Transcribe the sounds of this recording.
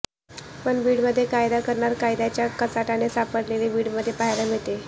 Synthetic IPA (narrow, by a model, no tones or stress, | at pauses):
pəɳbiːɽməd̪ʱːjekajd̪akəɾɳaɾkajd̪jat͡ɕjakət͡saʈanesapəɽlelibiːɽməd̪ʱːjepaɦjləmet̪e